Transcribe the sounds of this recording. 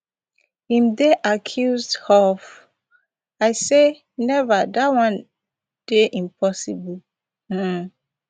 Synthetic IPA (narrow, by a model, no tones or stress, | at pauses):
hĩmdeʔakʰjuzdhɔf | aɪse | nɛvadawãn | d̥eʔĩmpʰɔsibul̩